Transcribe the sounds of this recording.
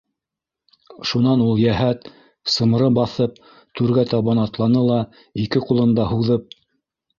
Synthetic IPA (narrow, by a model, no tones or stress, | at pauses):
ʃunɑnulˠjæɦæt̪ | sɤ̆m̆ɾɤbɑθɤp̚ | t̪ʉɾɡæt̪ɑβɑnɑt̪lˠɑnɤlˠɑ | ikɘqulˠɤ̆nd̪ɑhuðɤp̚